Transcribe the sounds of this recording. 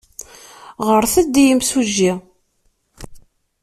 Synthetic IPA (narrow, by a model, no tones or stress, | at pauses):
ʁəɾθəd̪ːijəmsuʒːi